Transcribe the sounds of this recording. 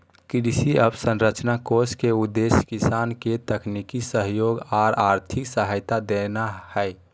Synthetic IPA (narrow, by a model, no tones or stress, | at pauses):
kɾisiəbsə̃nɾət͡ʃnakoɾskeud̪ːeskisanket̪əknikisəɦjoɡaːɾaɾt̪ʰiksəɦəjt̪ad̪enahəe